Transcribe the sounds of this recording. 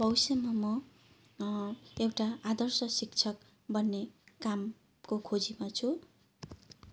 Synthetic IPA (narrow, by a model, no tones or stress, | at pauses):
bʌwsemamʌ | ewʈaad̪ʌrsʌsikt͡sʰʌk | bʌnːekam | kokʰod͡zimat͡sʰu